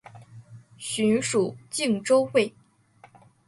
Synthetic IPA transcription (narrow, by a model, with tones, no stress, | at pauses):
ɕy˧˥nʂu˨˩t͡ɕi˥˧ŋʈ͡ʂo˥ʊxwe˥˩ɪ